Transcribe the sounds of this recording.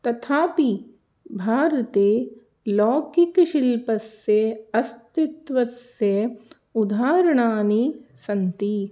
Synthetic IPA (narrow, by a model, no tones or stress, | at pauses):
t̪ɐt̪ʰaːpi | bʱaːɾɐt̪eː | lɔːkikʃilpɐsjeɐst̪it̪ʋɐsjɐ | ud̪ʱaːɾɐɳaːnisɐnt̪i